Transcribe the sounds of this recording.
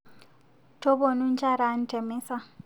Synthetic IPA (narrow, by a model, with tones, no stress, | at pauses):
tʰo˦bo˨nu˦n̩˦t͡ʃʰa˦ɾa˨˦n̩˦tʰɛ˨mɪ˦sa˦